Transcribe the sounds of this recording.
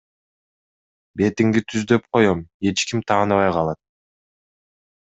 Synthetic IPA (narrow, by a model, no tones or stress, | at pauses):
be̞t̪iŋɡit̪ʰyzd̪ø̞p̚qo̞jome̞t͡ʃkimt̪ʰɑːnɯβɑjqɑlˠɑt̪̚